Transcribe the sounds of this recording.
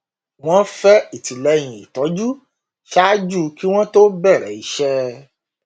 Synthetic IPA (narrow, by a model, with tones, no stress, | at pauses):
w̃ɔ̃˦fɛ˦i˨ti˨lɛ˨˧˦j̃ĩ˨i˨tɔ˨˦d͡ʒu˦ | ʃa˦d͡ʒu˦˧˦ki˦w̃ɔ̃˦to˦bɛ˦˨ɾɛ̰˨i˨˧ʃɛ˦